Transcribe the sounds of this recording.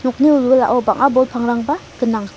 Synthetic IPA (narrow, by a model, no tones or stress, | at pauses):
nɔk̚niulwɯla̰ʔɔbaŋʔabɔlpʰaŋɾaŋbaɡənaŋ